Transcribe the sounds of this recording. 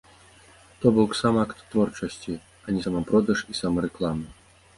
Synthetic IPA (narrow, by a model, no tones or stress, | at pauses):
t̪ɔbɔwksamakt̪ːvɔrt͡ʂɐsʲt͡sʲi | ɐnʲisamapɾɔd̪ɐʂisamɐɾɛklˠamɨ